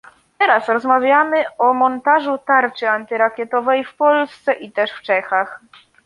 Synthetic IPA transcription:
t̪ɛɾasɾɔzmavʲjamɘʔɔmɔnt̪aʐut̪aɾt͡ʂɘant̪ɘɾakʲjɛt̪ɔvɛjfpɔlst̪sɛʔit̪ɛʂft͡ʂɛxax

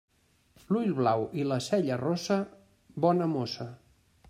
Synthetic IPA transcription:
lujʎβlawiləsɛʎərosə | bɔnəmosə

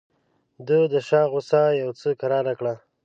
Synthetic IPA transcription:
d̪əd̪əʃɑɣʊsajawt͡səkaɾɑɾakɽa

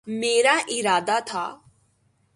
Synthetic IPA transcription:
meːɾaʔɪɾaːd̪at̪ʰa̰ː

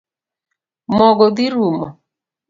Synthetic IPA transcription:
mɔɡɔd̪iɾumɔ̰

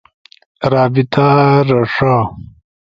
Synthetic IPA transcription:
ɾaːbit̪ʰaɾɐʂa

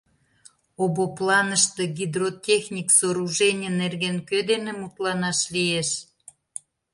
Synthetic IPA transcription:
oboplɑnəʃt̪eɡʲid̪rot̪ʲexnʲiksoɾuʒenʲənerɣenkød̪enemut̪lɑnɑʃlieʃ

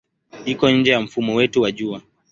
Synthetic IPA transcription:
ikɔɲ̩d͡ʒɛjam̩fumɔwɛtuwaʄua

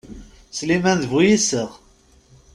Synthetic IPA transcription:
slimænðvujisəʁ

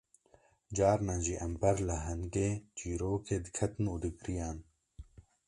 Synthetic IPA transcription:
d͡ʒaːɾnãːʑiʔɐmbɐɾlaɦɐnɡeːd͡ʒiːɾoːkʰeːd̪kʰɐt̪nud̪iɡɾijaːn

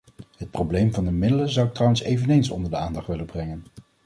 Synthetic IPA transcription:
ɦət̚prowblejmvɑndəmɪdələnzʌwtrɑwənsejvənejnsɔ̰ndəɹdəaːndɑχtʋɪləbrɛŋən

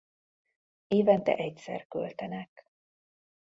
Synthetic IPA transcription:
eːvɛnt̪ɛ̰ʔɛcsɛ̰rkø̰lt̪ɛnɛk

